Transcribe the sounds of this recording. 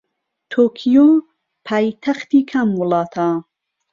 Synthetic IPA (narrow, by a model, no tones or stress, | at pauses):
t̪ʰoːkʰijo | pʰaːjt̪ʰɐxt̪iːkʰɐmwʊlɑːt̪ʰa